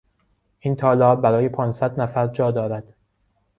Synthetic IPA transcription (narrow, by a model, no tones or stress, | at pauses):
ʔint̪ʰɒːlɒːbbæɾɒːje̞pʰɒːnsæd̪næfæɾd͡ʒɒːd̪ɒːɾæd̪̥